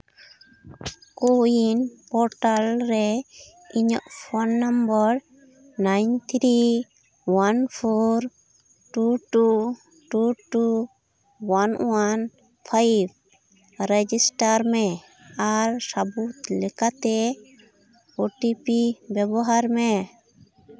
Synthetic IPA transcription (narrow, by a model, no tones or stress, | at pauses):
koinpɔɾʈalɾɛ | iɲɔ̰ʔpʰɔnːambɔɾ | najnt̪ʰɾi | wanpʰɔɾ | ʈuʈu | ʈuʈu | wanwan | pʰajb̚ | ɾɛd͡ʒisʈaɾmɛ | aɾsabut̪lɛkat̪ɛ | oʈipibɛbɔɦaɾmɛ